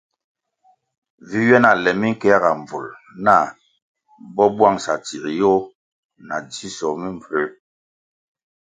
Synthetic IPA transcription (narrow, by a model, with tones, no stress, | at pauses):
vi˦ɥɛ˦na˨lɛ˨mi˦ŋ̩˦kɛ˦a˦ɣa˨ɱ˨b͡vu˨l | na˦˨ | bɔ˦bwa˦˨ŋsa˨t͡si˨ɾi˨jo˦ | na˨d͡ʒi˦sɔ˨mi˦ɱ˨pe˨˦